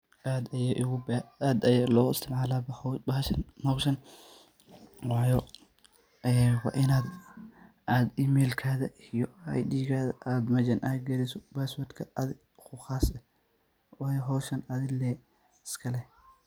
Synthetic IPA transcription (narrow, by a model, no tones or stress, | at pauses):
ʔaːd̪ɐjaʔʊɣʊːd̪ɐjaːlɔːɪ̰st̪ʰɪmʕaːlaːbɐbɐhɐʃɐnmɔʃɐn | wɑːjɔ | ʔɛːwɑ̰ːʔɪnaːd̪ | ʔaːd̪iːmɛːlkʰaːðɐijɔajdiːɣaːðɐʔaːd̪mɐd͡ʒɐnʔaɡɐɾɪsɔbaːsɐd̪kʰɐɐðɪ | xʊxaːsɛ | wɑːjɔɦɔːʃɐnɐðɪlɛː | ɪskʰɐlɛ